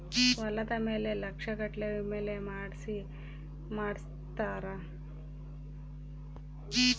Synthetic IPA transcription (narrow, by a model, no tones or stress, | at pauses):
ʋɐlɐt̪ɐmeːlelɐkʂɐkɐʈleʋimeːlemaːɽsi | maːɽs | t̪aːɾa